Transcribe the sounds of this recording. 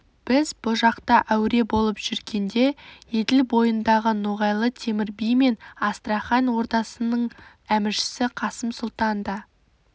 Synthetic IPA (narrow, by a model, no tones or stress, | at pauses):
b̥ɪzbʊʒɑqt̪ɑʔæwɾe̞bo̞lˠəpʒ̥ʏɾɡʲe̞nd̪e̞je̞d̪ɪlbo̞jənd̪ɑʁənuʁɑjlˠət̪ʰe̞mɪɾbijme̞nɑst̪rɑχɑnwo̞ɾt̪ɑsənəɴ | æmɪɾʃɪ̥sɪqʰɑsəmsʊlˠt̪ɑnd̪ɑ